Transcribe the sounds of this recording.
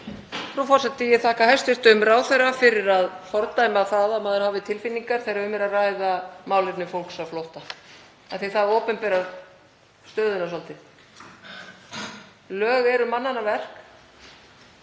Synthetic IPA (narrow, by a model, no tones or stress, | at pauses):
fɾufɔɾ̥sɛt̪ːɪjɛθaːhkahɛst̪ɪst̪ʏmraːwθejrːafɪɾɪɾaðfɔɾt̪ajmaθaðamaːðɪɾhaːvɪt̪ʰɪlfɪnːiŋkaɾ̥θejɾaʏmɛɾaraːjðamaːwlɪp̪nɪfowlksavfloht̪a | aθiθaðoːpɛmpɛɾa | st̪œːðʏnasɔlt̪ɪ | lœːɣɛɾʏmanːanːavɛr̥k